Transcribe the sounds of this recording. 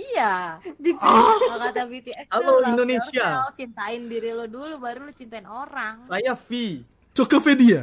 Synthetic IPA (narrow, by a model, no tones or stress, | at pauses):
ijabit͡ʃakt̪abit̪iɛaloindonesiaot͡ʃint̪aɪndiɾilodulubaɾulot͡ʃint̪aɪnoɾaŋsajafi | t͡ʃokofedia